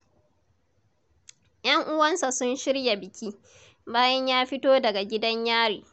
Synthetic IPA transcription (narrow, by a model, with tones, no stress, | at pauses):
j̰ɐ˦ŋʔʊ˦wɐ˦nsa˨sʊ˦nʃɪ˦ɽja˨bɪ˨kʲiː˦ | baː˦jɐ˦ɲjaː˦ɸɪ˦toː˦dɐ˨ɡa˨ɡʲɪ˦dɐ˦ɲjaː˦ɽḭː˨